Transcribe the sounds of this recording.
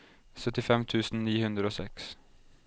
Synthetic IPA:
sœt̪ɪfɛmt̪ʰʉːsn̩niːhʉnd̪ɾəoːsɛks

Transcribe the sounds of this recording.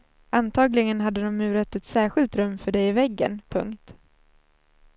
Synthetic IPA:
ʔant̪ʰɑːɡlɪɡənɦad̪ːəd̪ɔmːʉ̟ːɾət̪ːɛt̪sæːɾɧɪlt̪ɾɵmːfœɖɛjɪvɛɡːə̰npʰɵ̰ŋkt̪

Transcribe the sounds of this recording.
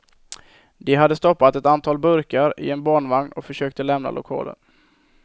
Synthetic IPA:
d̪ɛɦad̪ːəst̪ɔpːat̪ɛt̪ant̪ʰɑːlbɵɾkaɾɪ̰ɛnbɑːɳvaŋnɔkfœʂøːk̚t̪əlɛmna̰lʔʊkʰɑ̰ːlə̰n

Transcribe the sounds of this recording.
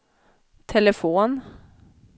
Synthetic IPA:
t̪ʰɛləfoːn

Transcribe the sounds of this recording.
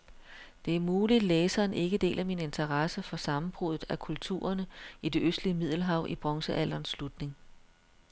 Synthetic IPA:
d̥e̝æɐmuːlid̥leːsɐːnʔe̝ɡ̥əd̥e̝̰ːlʔæmine̝nt͡sʰɐʁɑsəfɒ̽sɑ̈mm̩b̥ʁuðˠð̩ˠækʰult͡sʰṵːɐnəid̥e̝ʔøsd̥liəmið̞̰ˠl̩ɦɑ̈ʊ̰ʔib̥ʁɒ̽ŋsəʔæl̰ɐnsːlud̥ne̝ŋ

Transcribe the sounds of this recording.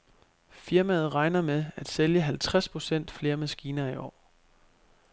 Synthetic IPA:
fiɐmæð̞̩ˠʁɑ̈ɪnɐmeæd̥seljəɦælt͡sʰʁaspʰʁo̝sen̰d̥fle̝ːɐmæsɡ̥iːnɐiʔɒ̰ː

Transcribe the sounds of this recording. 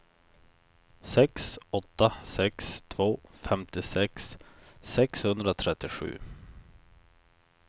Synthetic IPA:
sɛksɔt̪ːasɛkst̪ʰvoːfɛmt̪ɪsɛksː | ɛkshɵnd̪ɾat̪ʰɾɛt̪ːɪɧʉ̟̰ː

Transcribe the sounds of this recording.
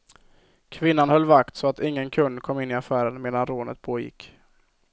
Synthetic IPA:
kʰvɪnːanhœlːvakt̪sɔat̪ɪŋːənkʰɵnːkʰɔmːɪnːɪafæːɾənmeːd̪anɾoːnə̰t̪̚pʰoːjɪ̰kː

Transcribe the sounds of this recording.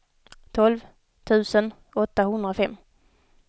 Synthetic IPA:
t̪ʰɔlv | t̪ʰʉ̟ːsən | ɔt̪ːahɵnd̪ɾafɛmː

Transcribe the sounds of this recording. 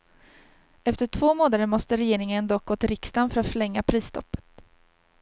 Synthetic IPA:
ɛft̪əʈʰvoːmoːnaɾəmɔst̪əɾɛjeːɾɪŋənd̪ɔk̚ɡoːt̪ɪɾɪkst̪anfœɾat̪fœɭɛŋːapʰɾiːsːt̪ʰɔ̰pːə̥t̪

